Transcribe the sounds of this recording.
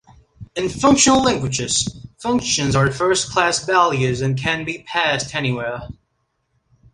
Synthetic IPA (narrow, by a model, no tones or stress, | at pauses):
ɨ̃nfʌ̃ŋkʃɨnl̩ˠlæ̃ŋɡwɨd͡ʒɪz̥fʌ̃ŋkʃɨ̃nzə˞ðfɜ˞skʰl̥æsvælˠjʉzɨ̃nkʰɨ̃nbipʰæstʰɛniwɛɹ